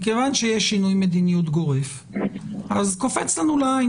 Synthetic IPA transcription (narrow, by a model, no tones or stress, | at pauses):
kevanʃejeʃːinujme̞d̪inijut̪ɡoʁef | ʔazkofet͡slanula